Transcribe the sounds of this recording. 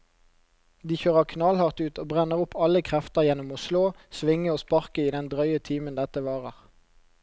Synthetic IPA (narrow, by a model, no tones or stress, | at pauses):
d̪iːçøːʁəʁkʰnɑlhɑʁt̪ʉːt̪oːbʁɛnəʁʊpʰːɑləkʰʁɛft̪əʁjɛnʊmoːsloːsʋɪŋəoːspɑʁkəiːd̪ɛnd̪ʁœʏət̪ʰiːmənd̪ɛt̪əʋɑːʁəʁ